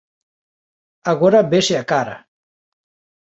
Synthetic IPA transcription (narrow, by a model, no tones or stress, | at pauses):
aɣoɾabeʃeakaɾa̰